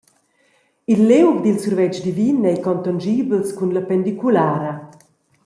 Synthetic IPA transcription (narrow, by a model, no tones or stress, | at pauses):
ilːewkd̪ilsurvɛt͡ʃd̪ivinɛjkɔnt̪and͡ʒiːbəlskunlapɛnd̪ikulaːɾɐ